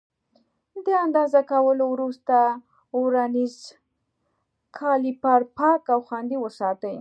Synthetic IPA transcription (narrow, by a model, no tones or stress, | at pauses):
d̪əand̪ɑzakawəlowɾust̪a | uɾaniz | kʰɑlipaɾpɑkawxwand̪iwəsɑt̪əj